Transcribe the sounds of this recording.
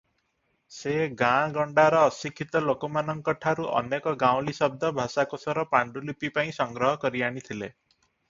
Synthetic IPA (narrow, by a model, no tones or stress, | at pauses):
seɡãɡɔɳɖaɾɔːsikʰːit̪ɔlokɔmanɔŋkɔʈʰaɾuʔɔ̰nekɔɡãw̃lisɔb̚d̪ɔbʱasakosɔɾɔpaɳɖulipipaĩsɔŋɡɾɔɦɔkɔɾiaɽ̃it̪ʰile